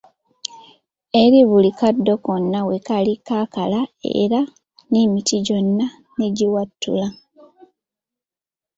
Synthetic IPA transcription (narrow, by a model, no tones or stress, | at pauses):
e̞ɾiβulikadːo̞konːawekalikakalaḛɾa | nimitiɟo̞nːa | neɟiwatːṵla